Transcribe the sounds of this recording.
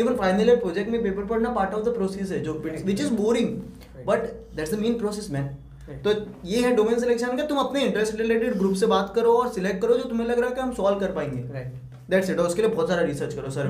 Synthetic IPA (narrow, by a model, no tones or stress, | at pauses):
iːʋə̃nfaɪnəlepɾoːd͡ʒɛk̚ʈmẽpeːpəɾpɐɾnapaːɾʈɔːfd̪ɐpɾoːsis̬ɦɛd͡ʒoːɪʋɪt͡ʃɪzboːɾɪ̃ŋɡ | bɐʈd̪ɛʈsd̪əmẽːnpɾoːsesmɛ̃ː | t̪ojeɦɛɖoːmɪnəns̬ɪlɛkʃə̃nmket̪ʊmɐpneɪ̃ɳʈɾesʈɾɪleːʈɪɖɡɾuːpsebaːt̪kɐɾoɔːɾsɪlek̚ʈ̚kɐɾod͡ʒoːt̪ʊmẽlɐɡɾaːakeɦɐmsɔːlkɐɾpaːẽːŋɡeː | d̪ɛʈseʈɔʊskeliebɔːt̪saːɾaɾisəːɾt͡ʃkɐɾosɐɾ